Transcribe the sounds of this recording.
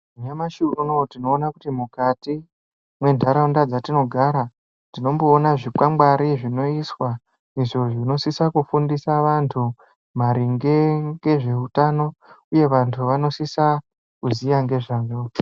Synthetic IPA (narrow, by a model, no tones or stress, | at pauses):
uɲamaʃuunotino̞ːnakutimukati | mwe̞ndʱaɾaundad͡zatino̞ɡʱaɾa | tino̞mboːnaʐipwamɡaɾiʐino̞iswa | iʐo̞ʐino̞sisakufundisaʋantʰu | maɾiŋɡe̞ŋɡe̞ʐe̞utano̞uje̞ʋantʰuʋano̞sisa | kuzijaŋɡe̞ʐaɲo